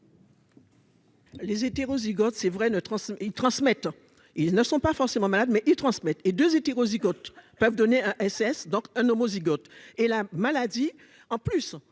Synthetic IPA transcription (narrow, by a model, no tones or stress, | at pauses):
lezet̪eʁoziɡɔt̪sɛvʁɛnət̪χɑ̃silt̪χɑ̃smɛt̪ | ilnəsɔ̃pafɔʁsemɑ̃malad̪mɛʔilt̪χɑ̃smɛt̪ed̪øzet̪eʁoziɡɔt̪̚pœvd̪ɔneɛ̃ʔɛsɛsd̪ɔ̃kɛ̃nomoziɡɔt̪elamalad̪i | ɑ̃plys